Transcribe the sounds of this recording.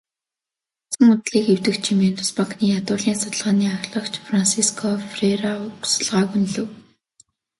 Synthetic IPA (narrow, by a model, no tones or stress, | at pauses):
ʊsə̆ŋʊt̪ɮiːkew̥t̪ɘ̆kt͡ɕʰimeːnt̪ʊ̥spaŋkniːjat̪ʊːɮiːŋsʊt̪ə̆ɮʁaːniːaɣɮə̆kt͡ɕfransiskʰɔfreɾaʊksə̥̆ɮʁaːɣunɮɘ̆w